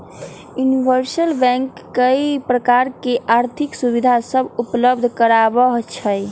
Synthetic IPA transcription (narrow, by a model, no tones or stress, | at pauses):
juniʋəɾsəlbɛ̃ŋkːəipɾəkaɾkeʔaɾt̪ʰiksubid̪ʱasəbʱupləbd̪ʱkəɾabəɦt͡ʃʰəj